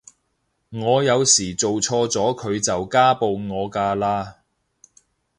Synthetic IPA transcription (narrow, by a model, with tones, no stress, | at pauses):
ŋɔː˨˧jɐ˨˧wsiː˨˩t͡so˨wt͡ʃʰɔː˧t͡sɔː˨˥kʰɵ˨˧ɥt͡sɐ˨wkaː˥po˨˧wŋɔː˨˧kaː˧laː˧